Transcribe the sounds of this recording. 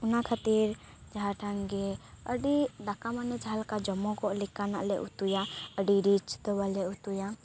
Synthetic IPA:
unakʰat̪iɾ | d͡ʒaɦaʈʰaŋɡɛ | əɖiɖakamanɛd͡ʒʰalkad͡ʒɔmɔkɔʔlikanaʔlɛʔut̪ujaəɖiɾit͡ʃd̪ɔbalɛut̪uja

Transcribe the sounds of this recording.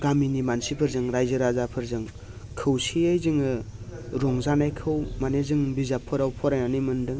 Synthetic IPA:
ɡaminimansipʰɯɾzɯŋɾajzɯɾazapʰɯɾzɯŋ | kʰɯwsiajzɯŋɯɾɔŋzanajkʰɯwmanezɯŋbizapʰɯɾawpʰɔɾajnanɯjmɯndɯŋ

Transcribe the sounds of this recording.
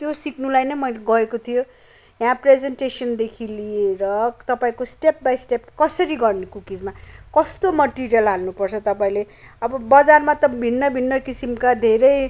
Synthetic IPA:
t̪josikʰnulajnʌjmʌjlɡʌekot̪ʰijo | jãpred͡zenʈesʌnd̪ekʰilieɾʌt̪ʌpaĩkosʈep̚bajsʈep̚kʌsʌɾiɡʌrnekukid͡zmakʌst̪omʌʈiɾijʌlɦalnupʌrt͡sʰʌt̪ʌpaĩle | ʌbʌbʌd͡zarmat̪ʌbʱinːʌbʱinːʌkisimkad̪ʱeɾʌj

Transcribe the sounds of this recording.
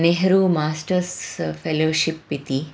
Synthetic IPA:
neɦɐɾumaːsʈɐɾspʰeloːʃipːit̪i

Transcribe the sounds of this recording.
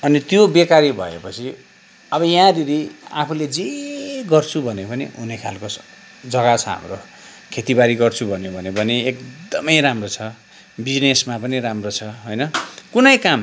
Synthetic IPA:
ʌnit̪jobekaɾibʱʌ̰ḛpʌt͡sʰi | ʌbʌjãɾiɾiapʰuled͡zeɡʌrt͡sʰubʱʌnepʌnḭunekʰalkos | d͡zʌɡat͡sʰʌɦa̰mro | kʰet̪ibaɾiɡʌrt͡sʰubʱʌnjebʱʌnepʌniekd̪ʌmʌjɾamrot͡sʰʌ | bid͡znesmapʌniɾamrot͡sʰʌɦojnʌkunʌjkam

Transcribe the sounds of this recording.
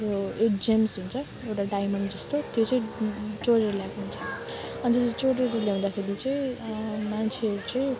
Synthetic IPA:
oeʈd͡zemsɦunt͡sʰʌ | ewʈaɖajmʌɳɖd͡zʌst̪ot̪ʰijot͡sʌĩt͡soɾeɾlaɡunt͡sʰʌ | ʌnt̪ʌt͡sʌt͡soɾeɾʌljaũnd̪akʰeɾit͡sʌj̃mant͡sʰeʌɾut͡sʌ̃

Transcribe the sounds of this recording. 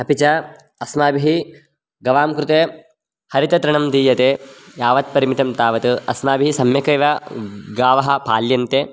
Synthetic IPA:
ɐpit͡ʃɐ | ɐsmaːbiɦi | ɡɐʋaːmkɾut̪eː | hɐɾit̪ɐt̪ɾɐɳɐmd̪iːjɐt̪eːjaːʋɐt̪̚pɐɾimit̪ɐmt̪aːʋɐt̪ɨɐsmaːbʱiɦisɐmjɐkɐjʋɐɡaːʋɐɦɐ̆paːljɐnt̪eː

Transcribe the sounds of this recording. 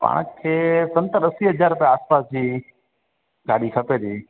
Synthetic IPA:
pa̰ːɽ̃kʰeːsɐ̃nt̪əɗəsiɦəd͡ʑaːɾʊpjaaːspaːsd͡ʑiː | ɡʱaːɽikʰɐped̪iː

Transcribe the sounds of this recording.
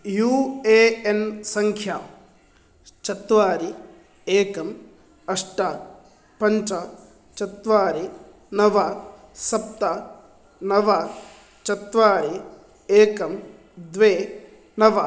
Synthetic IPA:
juːeːensɐŋkʰjaː | t͡ʃɐt̪ʋaːɾi | eːkɐm | ɐʂʈaː | pɐɲt͡ʃa | t͡ʃɐt̪ʋaːɾi | nɐʋa | sɐp̚t̪a | nɐʋa | t͡ʃɐt̪ʋaːɾi | eːkɐm | d̪ʋeː | nɐʋa

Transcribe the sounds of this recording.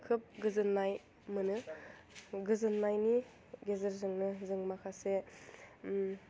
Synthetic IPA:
kʰɯp̚ɡɯzɯnːaj | mɯnɯ | ɡɯzɯnːajni | ɡezɯɾzɯŋnɯzɯŋmakʰase

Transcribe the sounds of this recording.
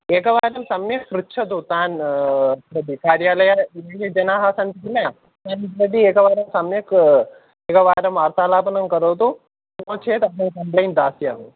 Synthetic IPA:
ɛːkɐʋaːɾɐmsɐmjɐksɾut͡ʃʰɐt̪ut̪aːn | ɾɐd̪ikaːɾjaːlɐjaeːɡed͡ʒɐnaːɦaːsɐnt̪ikilɐɐ | t̪aːnip̪ɾɐd̪iɛːkɐʋaːɾɐmsɐmjɐk | ɛːkɐʋaːɾɐmʋaːɾt̪aːlaːpɐnɐmkɐɾoːt̪u | noːt͡ʃʰeːt̪ɐnɐnkɐmplɐjnd̪aːsjamu

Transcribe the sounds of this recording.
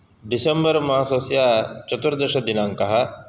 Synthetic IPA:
ɖisɐmbɐɾmɐɦaːsɐsjaːt͡ʃɐt̪ːuɾɐd̪ɐʃɐd̪inaːŋkɐɦɐ

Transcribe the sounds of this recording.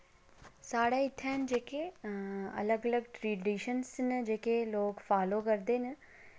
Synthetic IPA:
saːɽeːɪt̪ʰːɛːnd͡ʒeːkeːə̰ləɡələɡʈɾiːɖiːʃənsnd͡ʒeːkeːloːkfʰaːloːkəɾd̪eːn

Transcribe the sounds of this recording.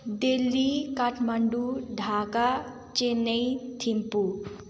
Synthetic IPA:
d̪elːikaʈʰmɐɳɖuɖʱaːka | t͡ʃenejt̪ʰimpu

